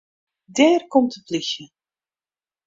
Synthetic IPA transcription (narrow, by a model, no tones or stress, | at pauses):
dɛːrkɔmtəplɪxə